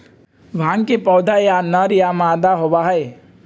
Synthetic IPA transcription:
ʋʱãŋkepɔwd̪ʱajanəɾijamãd̪aɦobaɦəj

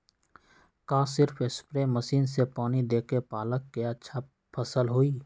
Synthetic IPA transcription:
kãːsɪɾpʰɪspɾeməsiːnsepaːnid̪eːkepaːləkːeət͡ʃʰap̚ | pʰəsəlɦoːiː

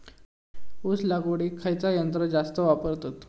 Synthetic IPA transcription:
uslaɡoɽiːkʰːajt͡sajənt̪ɾəd͡zast̪əʋapəɾt̪at̪

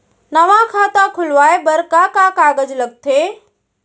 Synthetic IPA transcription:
nɐʋakʰaːt̪akʰʊlʋaːebɐɾkaːkakaːɡəd͡ʒləɡ̚t̪ʰeː

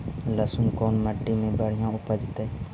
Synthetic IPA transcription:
ləsunkoːnməɖːiːmẽːbəɽ̤ɪjãːʊpəd͡ʒt̪eː

